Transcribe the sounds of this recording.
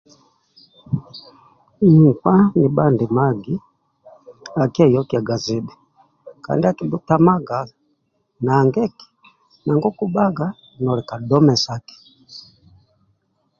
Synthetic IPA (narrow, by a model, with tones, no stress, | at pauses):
kwa˦ni˨ba˦ndi˨ma˦ɡi˦ | a˨ki˦ɛ˦jɔ˦ki˦a˨ɡa˨zi˦bɛ˨ | ka̰˨ndi˦a˦ki˨bu˦ta˦ma˦ɡa˨ | naː˨ŋɡɛ˦ki̥˨ | na˨ŋɡɔ˦ku˦ba˦ɡa˦ | nɔ˨lɛ˨ka˨dɔ˦mɛ˨sa˦ki̥˨